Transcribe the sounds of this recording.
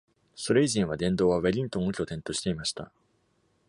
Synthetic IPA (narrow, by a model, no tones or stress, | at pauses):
so̞ɾe̞iʑĩɰ̃βad̪ẽ̞nd̪o̞ːβaβeɾʲĩnt̪õ̞ŋːokʲo̞t̪ẽ̞nt̪o̞ɕi̥t̪e̞imaɕi̥t̪a̰